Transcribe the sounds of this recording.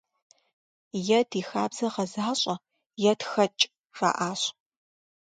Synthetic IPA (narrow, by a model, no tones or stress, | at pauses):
jɛdiːxaːbz̥ɐʁɐzaːɕʼɐ | jɛtxɐt͡ʃʼ | ra̰ːʔaːɕʼ